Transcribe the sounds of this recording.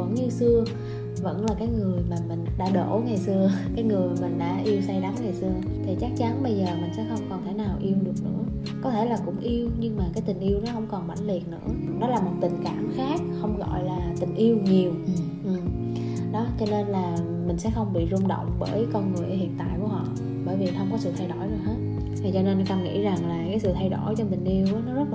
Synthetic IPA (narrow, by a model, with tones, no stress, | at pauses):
və̰˧˩ŋɲɨ˧sɨ˧ə | və̰˧˥nlaː˨˩kaː˨˦jŋɨ˨˩əjmaː˨˩mï˨˩ŋ̟ɗa̰ː˧ɗo̰˧˩ŋa˨˩jsɨ˧əkaː˨˦jŋɨ˨˩əjmï˨˩ŋ̟ɗa̰ː˧˥ʔi˧əwsa˧jɗa˨˦ŋŋa˨˩jsɨ˧ə | t̪ʰi˨˩t͡ɕa˦˥k̚t͡ɕa˨˦nɓə˧jzəː˨˩mï˨˩ŋ̟sɛ̰˧˥xə˧wŋ͡mkɔ˨˩nt̪ʰe˧˩˦naː˨˩wʔi˧əwɗɨ˨˩ək̚nɨ̰˧˥ə | kɔ˨˦t̪ʰe˧˩laː˨˩kʊ̰˧˥ŋ͡mʔi˧əwɲɨ˧ŋmaː˨˩kaː˨˦jt̪ï˨˩ŋ̟ʔi˧əwnɔ˨˦hə̰˧wŋ͡mkɔ˨˩nɓa̰˧˩jŋ̟li˨˩ət̚nɨ̰˧˥əɗɔ˨˦laː˨˩mo˨˩t̚t̪ï˨˩ŋ̟kaː˧˩mxaː˦˥k̚xə˧wŋ͡mɣɔ̰˧˨jlaː˨˩t̪ï˨˩ŋ̟ʔi˧əwɲi˨˩əw | ʔɨ˨˩m | ɗɔ˨˦t͡ɕɔ˧ne˧nlaː˨˩ | mï˨˩ŋ̟sɛ̰˧˥xə˧wŋ͡mɓḭ˧˨zʊ˧ŋ͡mɗo̰˧˨wŋ͡mɓəː˧˩jkɔ˧nŋɨ˨˩əjhḭ˧˨ənt̪a̰ː˧˨jku˧˩əhɔ̰˧˨ | ɓəː˧˩jvi˨˩t̪ʰə˧wŋ͡mkɔ˨˦sɨ̰˧˨t̪ʰa˧jɗo˧˩jɨ˨˩jhɦəː˦˥t̚ | vʰi˨˩t͡ɕɔ˧ne˧n˧kɔ˧˩nŋḭ˧˥za˨˩ŋlaː˨˩kaː˨˦sɨ̰˧˨t̪ʰa˧jɗo˧˩jt͡ɕɔ˧mï˨˩ŋ̟ʔi˧əwʔaː˨˦nɔ˨˦zə˦˥t̚